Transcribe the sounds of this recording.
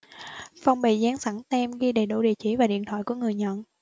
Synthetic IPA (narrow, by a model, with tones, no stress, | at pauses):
fa˧wŋ͡mɓḭ˧˨zaː˨˦ŋsa˧˩ŋt̪ɛ˧mɣi˧ɗe˨˩ɗṵ˧˩ɗḭ˧˨t͡ɕi˧˩vaː˨˩ɗḭ˧ənt̪ʰwa̰ː˧˨jku˧˩əŋɨ˨˩əjɲə̰˧˨n